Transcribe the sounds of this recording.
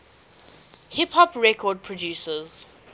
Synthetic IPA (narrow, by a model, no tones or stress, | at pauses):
hiphɔpɹɛkʰɔd̚pʰɹɔdjuːsəz